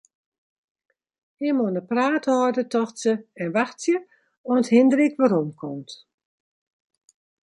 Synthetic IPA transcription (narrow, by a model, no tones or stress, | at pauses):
ɪmonəpraːtɔdətɔxsəɛnʋaxsjə | ɔnthɪndəɾikʋaɾɔmkʰɔmt